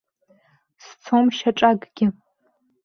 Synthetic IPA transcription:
st͡sʰomʃaʈ͡ʂʼaɡʼɡʲɪ

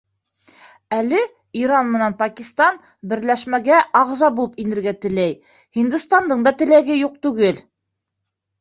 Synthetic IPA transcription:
ælɘ | iɾɑnmɤ̆nænpɑkʲist̪ɑn | bɘ̆ɾlæʃmæɡæʔɑʁzɑbulˠɤpinɘ̆ɾɡæt̪ɘ̆læj | hind̪ɘst̪ɑnd̪ɤɴd̪ɑt̪ɘ̆læɡɘjuq̚t̪ʉɡɘl

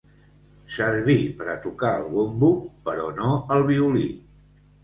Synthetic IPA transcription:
səɾβipəɾət̪ukaəlˠβombupəɾɔnoəlˠβ̞iulḭ

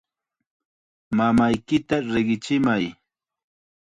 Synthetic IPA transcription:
mamajkɪt̪aɾeɢɪt͡ʃɪmaj

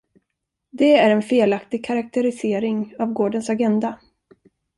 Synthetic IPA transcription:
d̪ɛæɾɛnfeːlakt̪ɪɡ̚kʰaɾak̚t̪ɛɾɪseːɾɪŋavɡoːɖənsaɡɛnd̪a

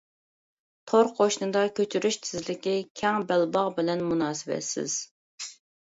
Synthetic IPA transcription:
t̪ʰoɾqʰoʃnɨd̪ɑkʲøt͡ʃʰyɾyʃt̪ʰɪzlɪkʲikʲʰɛŋbɛlbɑʁbɪlɛnmunɑːsɨvɛ̰t̪sɪ̰z̥

